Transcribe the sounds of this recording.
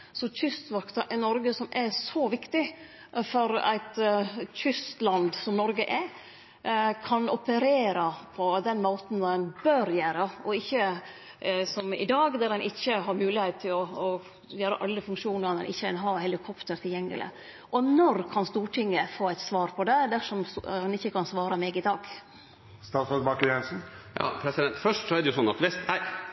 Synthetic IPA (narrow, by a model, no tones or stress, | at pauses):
sɔçʰʏst̪ʋɑkt̪ɑʔɛnɔɾɡəsɔmæsɔʋɪkt̪ɪ | fɔɾæ̰ɪt̪çʏst̪lɑnd̪sɔmnɔɾɡəʔɛ | kʰɑnɔpəɾeːɾɑpʰɔd̪ɛnmoːt̪n̩d̪ɛnbøːɾjæːɾəɔɪçːə | sɔmɪ̰d̪ɑːɡd̪æɾd̪ɛnʔɪçːəɦɑɾmʉːlɪhet̪̚t̪ʰːɪlɔː | jøːɾəʔɑlːəfʉŋkʂuːnəɾnɛ̰nʔɪ̰çːəd̪ɛnɦɑhɛlɪkʰɔpt̪əɾt̪ʰɪljɛŋːə̰lɪ̰ | ʔɔnɔɾkʰɑnst̪uːʈʰɪŋːəfoːæɪt̪sʋɑːɾpʰɔd̪ɛd̪æʂɔmɛnɪçːəkʰɑnsʋɑːɾɑmɛːɡɪd̪ɑːɡ | st̪ɑt̪sɔbɑkəjɛnsn̩jɑ̰ːpʰɾɛsɪd̪ɛnt̪fœʂʈsɔæɾd̪ɛjʊsɔnːɑt̪ʋɛst̪æɪ